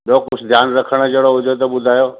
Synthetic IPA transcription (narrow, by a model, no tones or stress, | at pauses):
ɓoːkʊt͡ʃʰd̪ʱjaːnɾəkʰəɽ̃əd͡ʒeɽoɦʊd͡ʒ̪ʱot̪oɓʊd̪ʱaːjoː